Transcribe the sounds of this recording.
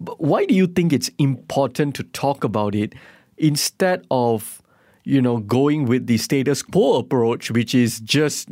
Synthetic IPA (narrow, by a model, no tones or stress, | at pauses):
bwaɪdujuθɪ̃ŋkɪtsĩmpʰɔtʰə̃ntʰːutʰɔkəbaʊtɪt̚ | ɪ̃nstɛdɔv | junoɡoɪ̃ŋwɪðistetəskʰoəpɹot͡ʃwɪt͡ʃɪzd͡ʒʌs